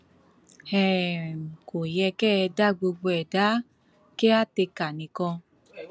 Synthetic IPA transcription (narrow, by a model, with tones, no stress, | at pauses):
hɛ˦˨ | ko˨jɛ˧kɛː˦˨˧da˦ɡ͡bo˧ɡ͡bɛ˨da˨˦ | ke˦a˦te˧ka˨nĩ˨kɔ̃˧